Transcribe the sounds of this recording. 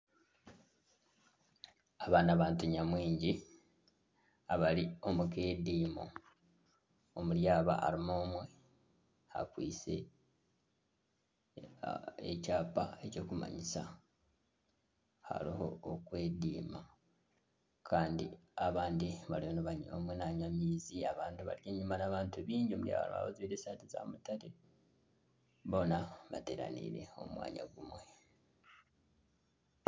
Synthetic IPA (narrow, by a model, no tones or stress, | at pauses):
aβaːnaβaːntuɲamwiːɲɟi | aβalio̞mukeːdiːmo̰ | omuljaːβa̰ʔa̰ɾimoːmwe̞ | ha̰kwḭːse̞̰ | ḛcaːpa̰e̞co̞ːkuma̰ɲisa | ha̰liho̞̰ːkwe̞ːdiːma | kʰaːndḭaβaːndiβalihonoβaɲomwenaɲamiːziaβaːndiβa̰ɾjeɲumanaβaːntuβiːɲɟomuɾia̰βa̰lma̰βoziɾesateza̰ːmutaɾe | βo̞naβate̞ɾa̰nḭɾe̞̰o̞̰mwa̰ːɲa̰ɡumwe̞